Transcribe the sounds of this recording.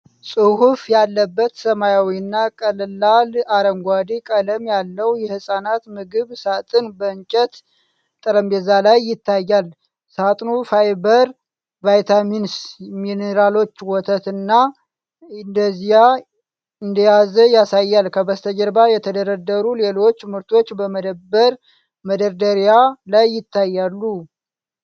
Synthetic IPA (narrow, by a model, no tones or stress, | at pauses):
sʼɨhufjalːəbːət̪səmajawinːakʼəllːalaɾəŋɡʷad̪ikʼələmjalːəwjɛhɨsʼanat̪mɨɡɨβsat̪ʼɨnbəɲt͡ʃʼət̪ | t̪ʼəɾəmbezalajːɪt̪ʰːajːal | sat̪ʼnufajbəɾ | vajt̪ʰaminsmineɾalo̞t͡ʃːwɔt̪ʰət̪ɨnːa | ɨnd̪əzija | ɨnd̪əjazəjasajːalkʰəbəst̪ʰəd͡ʒəɾbajɛt̪ʰəd̪əɾəd̪ːəɾule̞lo̞t͡ʃːmɨɾt̪ʰo̞t͡ʃːbəməd̪əbəɾ | məd̪əɾd̪əɾijalajːɪt̪ːajːalːu